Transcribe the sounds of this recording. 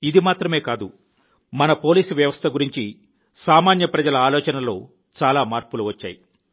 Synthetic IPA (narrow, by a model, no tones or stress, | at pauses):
id̪imaːt̪ɾɐme̞ːkaːd̪u | mɐnɐpo̞ːliːsuʋjɐʋɐst̪ʰɐɡuɾiɲt͡ʃi | saːmaːnjɐpɾɐd͡ʒɐlɐaːlɔːt͡ʃɐnɐlo̞̰ː | t͡ʃaːlaːmaːɾpuluʋɐt͡ʃːa̰ːji